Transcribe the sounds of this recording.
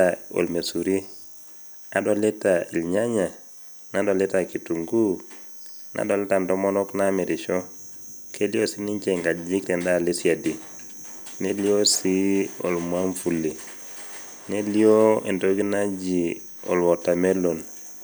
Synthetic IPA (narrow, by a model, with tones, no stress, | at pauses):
ao̰˨lme˨su˨ɾi˦ | a˨do˨le˦ta˨i˨lɲa˦ɲa˨ | na˦do˨le˦ta˨ki˨tu˨ŋɡu˦ | nʔa̰˨do˨lɛ˦ta˨nto˦mo˦no˦kna˦me˨ɾi˨ʃo˦ | ke˦li˦o˦si˦ni˦ɲt͡ʃe˨ŋɡa˨d͡ʒi˦kte˨nda˦li˦sia˨di˨ | ne˦li˦o˦si˦o̰˨lmwa˦ɱfu˨lːi˨ | ne˦li˦o˦e˨nto˦ɡi˦na˦d͡ʒi˨ | o̰˨lwo˨ta˨me˦lo˨n